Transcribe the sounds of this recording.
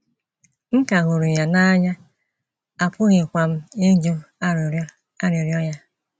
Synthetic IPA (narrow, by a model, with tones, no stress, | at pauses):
ŋ̩˦ka˨ɦʊ˨ɾu˨ja˨na˦ɲa˦ | a˨pʊ˦ɣɪ˨kʷa˨m̩˦e˦d͡ʒo˦˨˦ | a˦ɾe˨ɾjɔ˦ja˦